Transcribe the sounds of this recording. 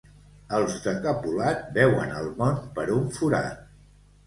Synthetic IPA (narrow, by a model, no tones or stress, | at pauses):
əlˠzd̪əkəpulat̪bɛwə̰nəlˠmɔnt̪pəɾuɱfuɾa̰t̪